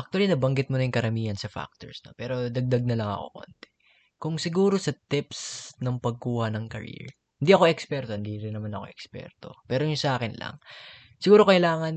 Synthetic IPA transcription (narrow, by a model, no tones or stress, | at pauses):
ʔɐk̚t̪ʊwɐlinɐbɐŋɡɪt̪̚monɐjʊŋkɐɾɐmiːhɐnsɐfa̰k̚t̪oɹsno̞pɛːɾo̞d̪ɐɡ̚d̪ɐɡ̚nɐlɐŋɐ̰ko̞̰ko̰nt̪ɛ̥ | kʊŋsɪɡuːɾo̞sɐt̪ɪpsnɐŋpɐɡ̚kuːhɐnɐŋkɐ̰ɾḭɹ | hɪnd̪iɐko̞ʔɛkspɛɾt̪ohɪnd̪iɾɪnːɐmanɐko̞ʔɛkspɛ̰ɾt̪o̞pɛːɾojʊŋsɐʔaːkɪnlɐ̰ŋ | sɪɡuːɾo̞kɐʔɪlaːŋɐn